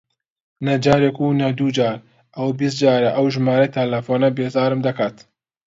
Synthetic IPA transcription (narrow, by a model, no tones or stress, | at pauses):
nɐd͡ʒaːɾekunɐd̪ud͡ʒaːɾ | ʔɐwabis̬t̪̚d͡ʒaːɾɐʔɐwʒɨmaːɾɐjt̪ʰɐlɐfoːnɐbeːzaːɾɨmd̪ɐkaːt̪